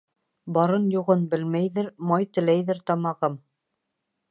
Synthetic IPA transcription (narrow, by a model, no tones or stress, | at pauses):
bɑɾɤnjuʁɤnbɘlmæjðɘɾmɑjt̪ɘ̆læjðɘɾt̪ɑmɑʁɤm